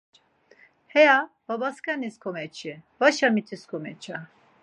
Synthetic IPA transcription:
hɛja | b̥abaskaniskʰɔmɛt͡ʃʰivaʃamit̪ʰiskʰɔmɛt͡ʃʰa

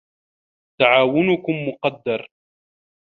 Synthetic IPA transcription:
t̪aʕaːwʊnʊkʊmːʊqɑd̪ːɑɾˤ

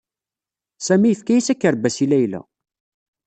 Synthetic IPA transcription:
sæmijəfkæjisækːəɾbæsilæjlæ̰

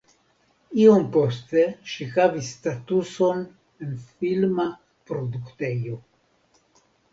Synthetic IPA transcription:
io̞mpo̞st̪eʃixavisːtatuso̞n | enfilma | pɾo̞duktejo

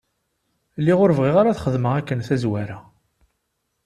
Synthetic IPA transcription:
lːiʁʊɾvʁiʁaɾaθχəðməʁækːənθæzwæɾa

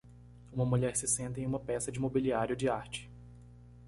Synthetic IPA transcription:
ũmɐmuʎɛɾsɪsẽnt̪ɐẽũmɐpɛsɐd͡ʒɪimobiliaɾjʊd͡ʒɪaɾt͡ʃɪ̥

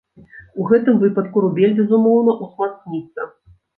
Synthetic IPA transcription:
uɣɛt̪ɨmvɨpɐt̪kuɾubʲelʲbʲɛzumɔwnɐʔusmat̪k̪nʲit̪sːɐ

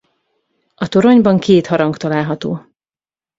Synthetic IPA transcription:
ɒt̪oɾo̞ɲbɒŋkʰeːt̪hɒɾɒŋkt̪ɒlaːlɦɒt̪oː

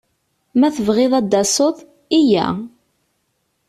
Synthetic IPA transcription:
mæθəvʁɪðˤɑd̪ːɑsˤoθˤ | ijæ̰

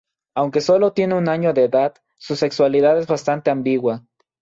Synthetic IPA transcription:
awŋkesolot̪jeneunaɲod̪eːðað | susekswaliðaðezβast̪ant̪eambiɣwa

